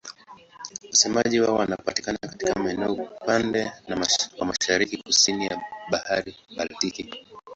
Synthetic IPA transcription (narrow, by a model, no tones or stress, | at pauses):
wasɛmaʄiwaɔwanapati̥kanakatikamaɛnɛɔpandɛnawamaʃaɾikikusinijaɓahaɾiɓaltiki